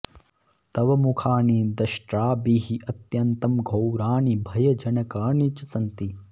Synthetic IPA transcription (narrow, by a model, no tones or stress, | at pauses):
t̪ɐʋɐmukʰaːɳid̪ɐʃʈɾaːbiɦiʔɐt̪jɐnt̪ɐmɡʱɐwɾaːɳibʱɐjɐd͡ʒɐnɐkaːɳit͡ʃɐsɐnt̪i